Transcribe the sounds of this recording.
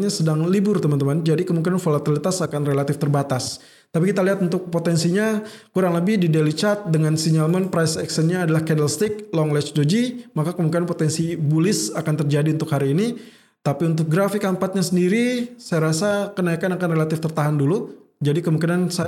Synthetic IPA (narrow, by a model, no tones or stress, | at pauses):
ɲasədaŋlibʊrt̪əmant̪əmand͡ʒadikəmuŋk̬inanfolat̪ilit̪asakanrelat̪ɪft̪ərbat̪as | t̪apikit̪aliɦat̪unt̪ʊk̚pot̪ɛnsiɲakuɾaŋləbɪhdidelit͡ʃat̪̚dəŋansiɲalmənpɾajsɛksənɲaːdalahkɛnəlst̪ɪk̚lɔŋlɛt͡ʃdod͡ʒimakakəmuŋk̬inanpot̪ɛnsibulɪsakant̪ərd͡ʒadiunt̪ʊkhaɾiːni | t̪apiunt̪̬ʊk̚ɡɾafɪkampat̪̚ɲasəndiɾisajaɾasakənaikanakanrelat̪ɪft̪ərt̪aɦandulu | d͡ʒadikəmũŋkinansa